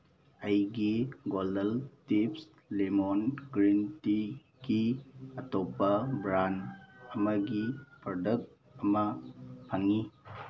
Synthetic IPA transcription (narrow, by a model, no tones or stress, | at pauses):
ɐjɡiɡolɐltips | lemonɡɾinti | ɡiɐtopːɐbɾanɐmɐɡipɾodɐk̚t̚ | ɐmɐpʰɐŋi